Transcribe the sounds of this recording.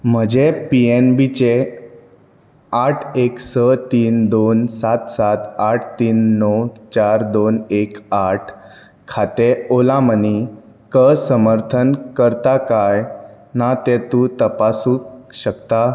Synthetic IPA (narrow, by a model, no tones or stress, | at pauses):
m̤əd͡ʑepienbit͡ɕe | aʈʰeksət̪iːnd̪onsat̪sat̪aʈʰt̪iːnːɔwt͡ɕaɾd̪onekaʈʰ | kʰat̪eolãməni | kəsəməɾt̪ʰənkəɾt̪akaj | nat̪ɛ̃t̪uːt̪əpasukɕəkt̪a